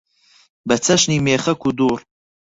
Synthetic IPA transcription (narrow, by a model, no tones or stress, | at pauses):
bɐt͡sʰɐʃniːmeːχɐkʰud̪uːɾ